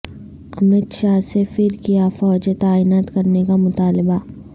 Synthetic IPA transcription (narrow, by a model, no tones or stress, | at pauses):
ɐmɪd̪ʃaːsefɪɾkijafɔːd͡ʒet̪aːiːnaːt̪kɐɾnekamʊt̪aːlɪba